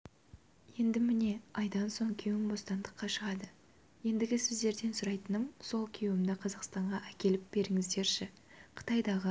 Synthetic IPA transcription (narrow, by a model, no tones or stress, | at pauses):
je̞nd̪ɪmɪne̞ɑjd̪ɑnso̞ɴkʲʰewɪmbo̞st̪ɑnd̪əqːɑʃəʁɑd̪ə | je̞nd̪ɪɡʲɪsɪzd̪e̞ɾd̪e̞nsʊɾɑjt̪ənəmso̞lˠkʲʰe̞wɪmd̪ɪqʰɑzɑqst̪ɑɴʁɑʔækʲe̞lɪp̚b̥e̞ɾɪŋɪzd̪e̞ɾʃɪ | qʰə̥t̪ɑjd̪ɑʁə